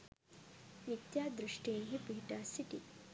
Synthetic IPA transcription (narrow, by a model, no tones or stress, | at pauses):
mit̪jaːd̪ɾuʂʈeːnɦipiiʈaːsiʈi